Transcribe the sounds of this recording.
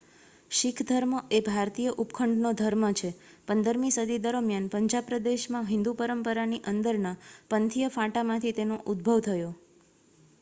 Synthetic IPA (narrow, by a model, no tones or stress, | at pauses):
ʃikʰd̪ʱəɾməʔebʱaɾt̪ijəʔupkʰəɳɖnod̪ʱəɾmət͡ʃʰepənd̪əɾmĩsəd̪ʱid̪əɾəmjanpəɲd͡ʒapɾəd̪eʃmãɦɪ̃nd̪upəɾəmpəɾaniʔənd̪əɾnapənt̪ʰijəfãʈamãt̪ʰit̪enoʔud̪̚bʱəʋt̪ʰəjo